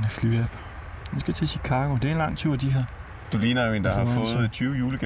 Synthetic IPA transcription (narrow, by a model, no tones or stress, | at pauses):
nəflyːæb̥ | hensɡ̥æt͡sʰe̝ɕikʰɑ̈ːɡ̥o̝d̥e̝æɐenlɑ̈ŋ̰t͡sʰuɐ̰d̥iɦɑ̈ | d̥uliːnɐjoe̝nd̥ɑ̈hɑ̈fɔ̽seð̩ˠt͡sʰyːʊəjuːləɡ̥